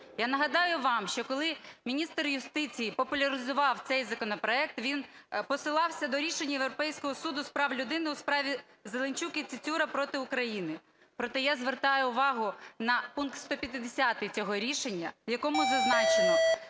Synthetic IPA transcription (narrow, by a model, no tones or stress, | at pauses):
janɐɦɐd̪ɑjʊʋɑmʃt͡ʃɔkɔlˠɪmʲinʲist̪rjʊst̪ɪt͡sʲijipɔpʊlʲɐɾɪzʊʋɑwt̪sɛjzɐkɔnɔpɾɔɛk̚t̪ʋʲinpɔsɪlˠɑwsʲɐd̪ɔɾʲiʃenʲːɐjeʋɾɔpɛjsʲkɔɦɔsud̪ʊspɾɑwlʲʊd̪ɪnɪʊspɾɑʋʲi | zelˠenʲt͡ʃukʲɪt̪sɪt͡sʲuɾɐpɾɔt̪ɪʊkɾɐjinɪ | pɾɔt̪ɛjazʋert̪ɑjʊʊʋɑɦʊnɐpunk̚t̪st̪ɔpʲjɐt̪ɪd̪esʲat̪ɪt͡sʲɔɦɔɾʲiʃe̞nʲːɐ̰jɐkɔmʊzɐznɑt͡ʃenɔ